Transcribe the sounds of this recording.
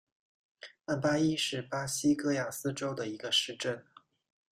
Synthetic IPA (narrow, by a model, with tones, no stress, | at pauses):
a˥˩npa˥i˥ʂɻ̩˥˩pa˥ɕi˥kɤ˥ja˨˩sɹ̩˥ʈ͡ʂo˥ʊd̪ə˨i˧˥ɡə˧ʂɻ̩˥˧ʈ͡ʂə˥˩n